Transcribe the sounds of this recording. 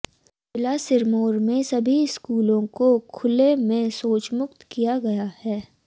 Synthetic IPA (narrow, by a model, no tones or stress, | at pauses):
ɪlasɪɾmoːɾmẽsɐbʱiskuːlõkokʰʊlemẽsoːt͡ʃmʊkt̪kijaɡɐjahɛː